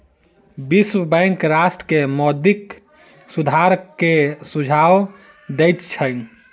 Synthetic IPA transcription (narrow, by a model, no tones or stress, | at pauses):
biswəbɛ̃ɪŋkɾasʈɾəkemɔd̪ik | sud̪ʱaɾkesud͡ʒʱaw | d̪ɛjt̪t͡ʃʰəj